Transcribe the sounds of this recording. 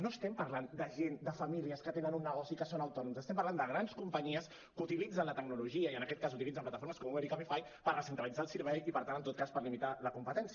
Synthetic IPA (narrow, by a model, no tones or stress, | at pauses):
noəst̪ɛmpəɾland̪əʒend̪əfɐmiliəskət̪enənunːəɣɔsiːkəsonəwt̪ɔnumsəst̪ɛmpɐɾland̪əɣɾanskumpəɲiəs | kut̪ilid͡zənlət̪əɡnuluʒiəiənəkɛt̪̚kasut̪ilid͡zəmplat̪əfoɾməskɔmumeɾikamifaj | pəɾrəsənt̪ɾəlid͡zaːlˠsəɾβɛjipəɾt̪anənt̪ot̪̚kaspəɾlimit̪aləkumpət̪ɛnsi